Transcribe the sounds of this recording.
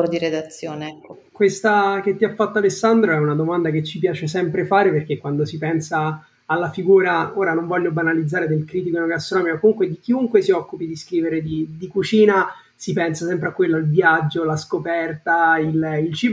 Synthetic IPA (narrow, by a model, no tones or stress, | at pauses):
ɾd̪iɾed̪at̪sːjoːne | kwest̪ak̟et̪ːiafːat̪ːalesːand̪ɾoɛunad̪omand̪aket͡ʃːipjaːt͡ʃesɛmpɾefaːɾeperk̟ekːwand̪osipɛnsaː | lːafiɡuːɾaoːɾanoɱvɔlʎːobanalid̪zːaːɾed̪elkɾit̪̬ikoinoɡast̪ɾonɔːmikakːomuŋkwed̪ik̟iuŋkwesiɔkːupid̪iskɾiːveɾed̪id̪ikut͡ʃiːna | sipɛnsasɛmpɾeakːwelːoilvjad͡ʒːolaskopɛrt̪aililt͡ʃiːb